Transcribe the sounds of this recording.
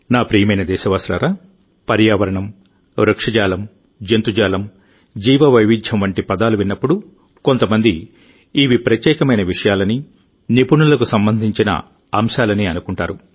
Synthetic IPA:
naːpɾijɐmɐjnɐd̪ɛːʃɐʋaːslɐɾaː | pɐɾjaːʋɐɾɐɳɐm | ɾɐkʂɐd͡ʒaːlɐm | d͡ʒent̪ud͡ʒaːlɐm | d͡ʒiːʋɐʋɐjʋid̪ʱjɐmʋɐɳʈipɐd̪aːluʋinːɐpːuɽu | ko̞nt̪ɐmɐnd̪iː | ʋipɾɐt̪jɛːkɐmɐjnɐʋiʂɐjaːlɐni | nipuɳulɐkusɐmbɐnd̪ʱiɲt͡ʃinɐ̰ | ɐmʃaːlɐniːɐnukuɳʈaːɾu

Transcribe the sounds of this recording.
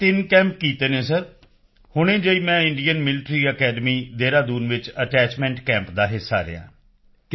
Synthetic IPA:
t̪ɪnkɛ̃ːmp̚kiːt̪eːnẽːsəɾ | hʊɳ̃ẽːd͡ʒəiːmɛ̃ːɪɳɖijənmɪlɪʈɾiːəkɛːɖəmiːd̪eːɾaːd̪uːnʋɪt͡ʃəʈɛːt͡ʃmɛ̃ːɳʈkɛ̃ːmpd̪aːɦɪsːa̰ːɾɪ̰jã̰ː

